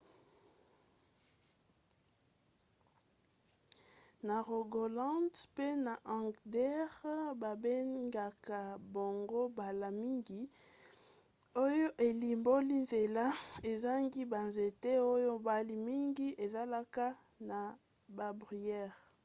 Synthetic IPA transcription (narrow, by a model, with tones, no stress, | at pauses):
na˨ʁo˨ɡo˨lɑ̃˦dpe˦na˨ʔã˨ɡdɛ˦ʁba˨be˦ŋɡa˨ka˨bo˨ŋɡo˦ba˨la˨mi˦ŋɡi˨ | o˦jo˦ʔe˨li˨mbo˦li˦nze˨la˦e˨za˦ŋɡi˦ba˨nze˨te˦o˦jo˦ba˦li˨mi˦ŋɡi˦e˨za˦la˦ka˦ | na˨ | ba˨bʁi˨ɛ˦˨ʁ